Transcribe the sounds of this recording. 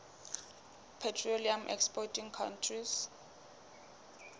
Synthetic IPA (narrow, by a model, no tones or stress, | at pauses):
pʰɛtʰroliamʔɛ̰kspɔtʰiŋkʰa̰ntʰris